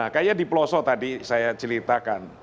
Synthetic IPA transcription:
akajadiplɔsɔt̪adisajat͡ʃəlit̪akan

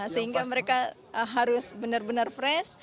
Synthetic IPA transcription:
səɦiŋɡaməɾeka | əɦaɾʊsbənərbənərfɾɛs

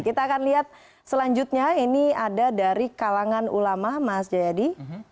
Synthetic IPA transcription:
kit̪aːkanliɦat̪̚ | səlaɲd͡ʒʊt̪̚ɲainiadadaɾikalaŋanṵlamamasd͡ʒajadi

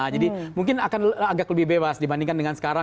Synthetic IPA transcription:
d͡ʒadimuŋk̬ɪnakanaɡakləbɪhbebasdibandiŋkandəŋansə̥kaɾa

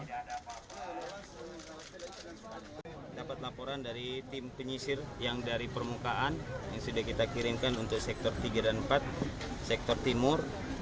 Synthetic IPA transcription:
dapat̪̚lapoɾandaɾit̪ɪmpəɲisɪrjaŋdaɾipərmukaʔanjaŋsudakit̪akiɾɪŋkanunt̪ʊk̚sɛk̚t̪ɔrt̪iɡadanmpat̪̚ | sɛk̚t̪ɔrt̪imʊr

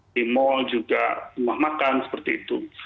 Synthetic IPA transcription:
imɔd͡ʒuɡa̰umahmakansə̥pərt̪iit̪u

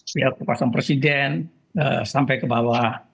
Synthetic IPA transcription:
jakəkuasanpɾesidɛn | ə̰sampajkəbawa

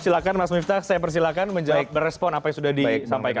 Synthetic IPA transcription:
silakanmasmift̪asajap̬ərs̬ilakanməɲd͡ʒabərɛspɔnapajaŋsudahdisampajka

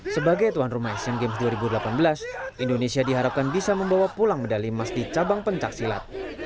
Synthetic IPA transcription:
səbaɡajt̪uanrumajsjaŋɡemsduaɾibudəlapanbəlasʔindonesiadiɦaɾap̚kanbisaməmbawapulaŋmədalimasdit͡ʃabaŋpəɲt͡ʃak̚sila̰t̪̚

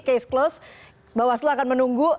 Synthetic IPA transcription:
kesklos | bawaslaakanmənuŋɡu

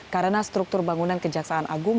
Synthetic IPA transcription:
kaɾənast̪ɾuk̚t̪ʊrbaŋunankəd͡ʒaksaanʔaɡum

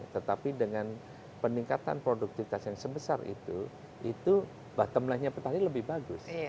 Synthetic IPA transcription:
t̪ət̪apidəŋan | pəniŋkat̪a̰npɾoduk̚t̪ifit̪asjaŋsəbəsa̰rʔḭt̪u | ʔit̪u | b̥aht̪əmlahɲapət̪aɾiləbɪhbaɡʊs

